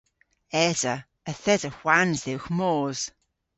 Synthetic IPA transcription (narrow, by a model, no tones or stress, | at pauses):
ɛzə | əθɛdəxwanzðɪwxmoːz̥